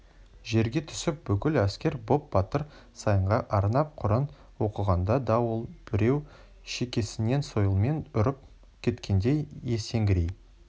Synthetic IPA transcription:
ʒe̞ɾɡʲe̞t̪ʰʏ̥sɪp̚bʏkʲɪlæskʲe̞ɾbo̞p̚b̥ɑt̪əɾ | sɑjəɴʁɑʔɑɾnɑp̚qʰʊɾən | wo̞qəʁɑnd̪ɑd̪ɑwəlˠb̥ɪɾe̞w | ʃekʲe̞sɪne̞nso̞jəlˠme̞nʊɾɪp̚ | kʲʰe̞t̪kʲe̞nd̪e̞jje̞se̞ŋɡʲɪɾej

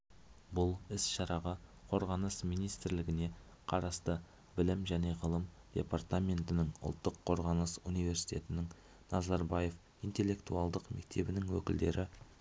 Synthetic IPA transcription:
bʊlˠɪsʃɑɾɑʁɑqʰo̞ɾʁɑnəsmijnijst̪ɪɾlɪɡʲɪne̞ | qʰɑɾɑst̪ə | bɪlɪmʒæne̞ʁəlˠəmd̪̥ʲe̞̰part̪amʲe̞nt̪ɪnɪŋʊ̰lˠt̪ːəqʰːo̞ɾʁɑnəsunijve̞ɾsi̥jt̪ʲe̞t̪ɪnɪŋ | nɑzɑɾbaje̞f | int̪e̞lːe̞kt̪ualˠd̪əqme̞k̚t̪ʰe̞bɪnɪŋwɵkʲɪld̪e̞̰ɾʔɪ

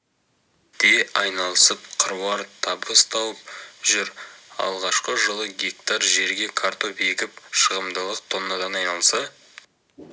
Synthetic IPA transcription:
d̪̥e̞ɑjnɑlˠəsəp̚qʰəɾuwɑɾt̪ʰɑbəst̪ʰɑwəp̚ʒʏɾɑ̰lˠʁɑʃqəʒəlˠəɡʲek̚t̪ɑɾʒe̞ɾɡʲe̞kʰaɾt̪o̞bekʲɪp̚ʃəʁəmd̪əlˠəq̚t̪ʰo̞nːɑd̪ɑnɑjnɑlˠsɑ

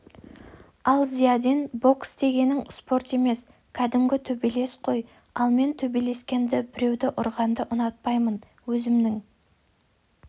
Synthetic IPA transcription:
ɑlˠzijɑd̪enbo̞ksd̪e̞ɡʲe̞nɪŋspo̞ɾt̪e̞me̞s | kʲʰæd̪ɪmɡʲɪt̪ʰɵbele̞sqʰo̞j | ɑlˠme̞nt̪ʰɵbele̞skʲe̞nd̪ɪbɪɾe̞wd̪ɪʔʊɾʁɑnd̪əʔʊnɑt̪̚pɑjmən | wɵzɪmnɪŋ

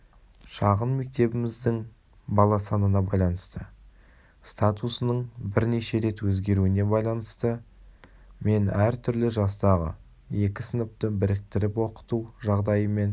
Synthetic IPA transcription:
ʃɑʁənme̞k̚t̪e̞bɪmɪzd̪ɪŋ | bɑlˠɑsɑnənɑbɑjlˠɑnəst̪ə | st̪at̪usənəɴbɪɾne̞ʃe̞ɾe̞t̪wɵzɡʲe̞ɾuɪne̞bɑjlˠɑnəst̪ə | me̞næɾt̪ʰʏɾlɪʒɑst̪ɑʁə̰ | je̞kʲɪsənəp̚t̪əbɪɾɪk̚t̪ɪɾɪpwo̞qə̥t̪uʒɑʁd̪ɑjəme̞n

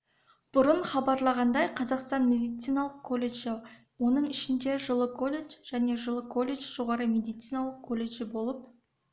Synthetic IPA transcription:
b̥ʊɾəɴχɑbɑɾlˠɑʁɑnd̪ɑjqʰɑzɑqst̪ɑnmʲe̞d̪ijt̪sijnɑlˠəqkʰo̞lʲːeʒe | wo̞nəɴɪʃɪnd̪e̞ʒəlˠəkʰo̞lʲːet͡ʃʒ̥æne̞ʒəlˠəkʰo̞lʲːe̞t͡ʃʒ̥o̞ʁɑɾəmʲe̞d̪ijt̪sijnɑlˠəqkʰolʲːeʒɪbo̞lˠəp̚

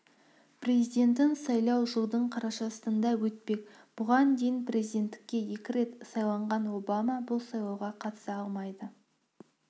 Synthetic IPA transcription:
pre̞zijd̪ʲe̞nt̪ɪnsɑjlˠɑwʒəlˠd̪əɴqʰɑɾɑʃɑsəənd̪ɑwɵt̪̚pe̞k | b̥ʊʁɑnd̪ejɪnpʰɾe̞zid̪e̞nt̪ːɪ̥kʲːe̞je̞kʲɪɾe̞t̪sɑjlˠɑɴʁɑnwo̞bamɑbʊlˠsɑjlˠɑwʁɑqʰɑt̪ə̥sɑɑlˠmɑjd̪ə

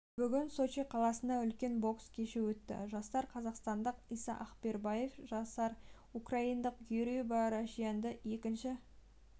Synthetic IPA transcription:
b̥ʏɡʲɪnso̞t͡ʃiqʰɑlˠɑsənd̪ɑʏlkʲe̞nbo̞kskʲʰe̞ʃɪwɵt̪ːɪ̰ʒɑst̪ɑɾqʰɑzɑqst̪ɑnd̪əqijsɑʔɑqpe̞ɾbɑjefʒɑsɑɾ | ukrɑind̪əqɡyɾibɑɾaʃijɑnd̪əje̞kʲɪnʃɪ

